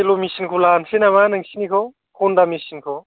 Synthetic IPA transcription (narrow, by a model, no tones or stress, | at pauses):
elomisinkʰolansenamanaŋsinikʰɔ | kʰɔndamisinkʰɔ